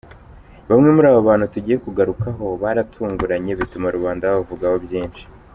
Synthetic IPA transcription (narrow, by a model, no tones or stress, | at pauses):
βamŋe̞muɾaːβoβaːn̥utuɟiːjekuɡaɾukaɦo̞βaɾatʰuːŋɡuɾaɲe̞βitumaɾuβaːndaββavuɡaho̞βjiːnʃi̥